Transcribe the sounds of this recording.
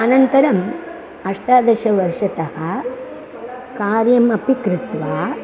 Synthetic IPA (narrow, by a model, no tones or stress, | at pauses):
ɐnɐnt̪ɐɾɐm | ɐʂʈaːd̪ɐʃɐʋɐɾʂɐt̪ɐhɐ | kaːɾjɐmɐpikɾɪt̪ʋaː